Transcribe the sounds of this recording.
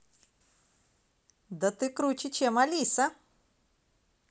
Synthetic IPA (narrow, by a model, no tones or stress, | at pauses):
d̪ɐt̪ɨkɾut͡ɕɪt͡ɕemɐlʲisɐ